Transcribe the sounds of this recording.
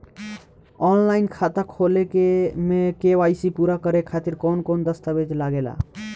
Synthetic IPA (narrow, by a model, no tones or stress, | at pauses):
ɔnlainkʰat̪əkʰolekemekeʋajsipuɾakəɾekʰat̪iɾkɔnkond̪əst̪əbed͡ʒlaɡela̰